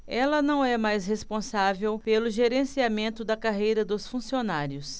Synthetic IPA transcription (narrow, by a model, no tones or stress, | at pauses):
ɛlɐnɐ̃w̃ɛmajsɦespõsavewpelʊʒeɾẽsiamẽnt̪ʊd̪ɐkaɦejɾɐd̪ʊsfũsionaɾjʊs